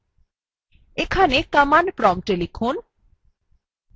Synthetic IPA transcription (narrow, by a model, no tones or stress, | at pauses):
ekʰanekəmanpɾɔmʈelifʰon